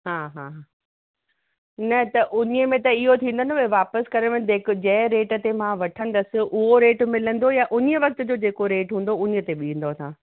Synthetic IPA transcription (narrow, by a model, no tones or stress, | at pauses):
ɦaːɦãːɦa | nɐt̪ɐʔʊɲəmẽt̪ɐɪɦot̪ʰĩːnd̪ənobɐʋaːpəskɐɾəʋɪ̃d̪eːkd͡ʑɐ̃ɦɪ̃ɾeːʈə̆t̪emãʋɐʈʰə̃nd̪əsɪ̆ʔʊɦoɾeːʈmɪlə̃nd̪ojaʔʊɲəʋɐk̚t̪ʊ̆d͡ʑoːd͡ʑeːkoɾeːʈɦũːn̆d̪oʊɲə̆t̪eɓiĩn̆d̪ot̪ʰãː